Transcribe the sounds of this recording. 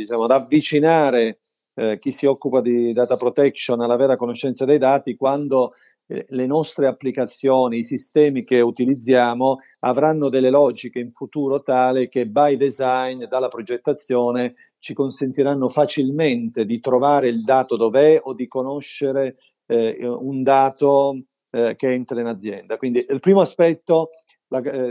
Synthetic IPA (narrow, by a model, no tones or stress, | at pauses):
d̪it͡ʃaːmod̪avːit͡ʃinaːɾe | k̟isːiɔkːupad̪id̪aːt̪apɾot̪ɛkʃonalːavɛːɾakonoʃːɛnt̪sad̪ejd̪aːt̪ikwand̪o | lenɔst̪ɾeapːlikat̪sːjoːniːsist̪ɛːmik̟eut̪ilid̪zːjaːmo | a̰vɾanːod̪elːelɔːd͡ʒikeiɱfut̪uːɾot̪aːlik̟ebajd̪ezajnd̪alːapɾod͡ʒet̪ːat̪sːjoːne | t͡ʃikonsent̪iɾanːofat͡ʃilment̪ed̪it̪ɾovaːɾeild̪aːt̪od̪ovɛod̪ːikonoʃːeɾe | und̪aːt̪o | k̟eɛnt̪ɾainad̪zːjɛnd̪akwind̪iilpɾiːmoaspɛt̪ːo | la